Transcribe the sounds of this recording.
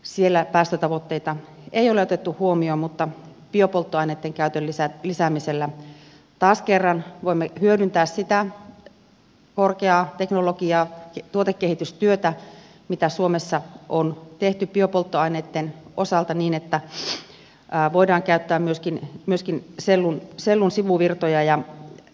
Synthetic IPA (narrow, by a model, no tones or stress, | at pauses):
sielːæpæːst̪øt̪ɑʋot̪ːeit̪ɑ | eijoleot̪et̪ːuhuomioːmut̪ːɑpiopolt̪ːoɑineːt̪ːeŋkæyt̪ølːisælisæmiselːæ | t̪ɑːskerːɑnʋoimːehyødynt̪æːssit̪æ | korkeɑːt̪eknolokiɑːkt̪uot̪ekːehit̪yst̪yøt̪æ | mit̪æsuomesːɑʔont̪eht̪ypiøpolt̪ːoɑineːt̪ːenʔosɑlt̪ɑniːnet̪ːæ | ʋoidɑːŋkæyt̪ːæːmmyøskinmyøskinselːunselːunsiʋuʋirt̪ojɑjɑ